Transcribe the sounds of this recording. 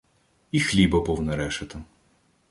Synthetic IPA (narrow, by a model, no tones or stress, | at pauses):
ixlʲibɐpɔwnɛɾɛʃɐt̪ɐ